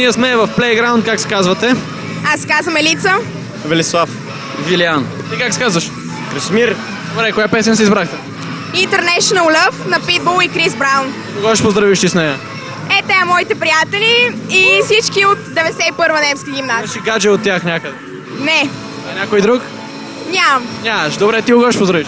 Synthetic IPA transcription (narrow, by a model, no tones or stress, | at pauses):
niəsmɛvɐfplɛjɡɾaʊ̃nt̪kaksɛ̥kazvɐt̪ɛ | askazvɐmɛlit̪sə | vɛlislˠaf | vilian | t̪ikakskazvɐʃ | kɾismiɾ | d̪obɾɛkojapɛsɛnsɛizbɾaxt̪ɛ | int̪ɛɾnɛʃonəlˠlɛfnɐpid̪̚bolˠikɾizbɾawn | oɡɔʃpozd̪ɾɐviʃt̪isnɛjɐ | ɛt̪ɛɐmɔit̪ɛpɾijat̪ɛliːsit͡ʃkiot̪d̪ɛvɛd̪ɛsɛipɤɾvənɛmskiɡimnast͡ʃiɡad͡ʒɛot̪ːʲaxnʲakəd̪ɛ | nɛ | ɐnʲakojd̪ɾuk | ɲʲamɐmnʲamɐʃd̪obɾɛt̪iʊɡɔʃpozd̪ɾɐviʃ